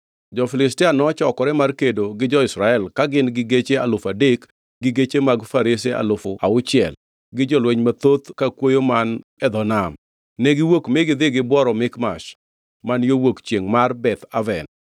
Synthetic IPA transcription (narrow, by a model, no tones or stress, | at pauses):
d͡ʒɔfɪlɪstɪanɔt͡ʃɔkɔɾɛmarkedoɡɪd͡ʒɔɪsɾaɛlkaɡɪnɡɪɡet͡ʃea̰lʊfadek | ɡɪɡet͡ʃemaɡfaɾɪsea̰lʊfʊaʊt͡ʃɪɛ̰l | ɡɪd͡ʒɔlweɲmat̪ot̪kakwojomanɛd̪ɔnam | nɛɡɪwokmɪɡɪd̪ɪɡɪbwɔɾɔmɪkmaʃ | manjowokt͡ʃjeŋmarbɛt̪avɛn